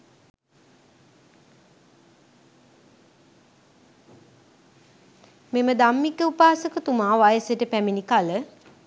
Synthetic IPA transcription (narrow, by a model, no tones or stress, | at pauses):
meməd̪amːikːəupaːsəkət̪umaːʋajəsəʈəpæminikalə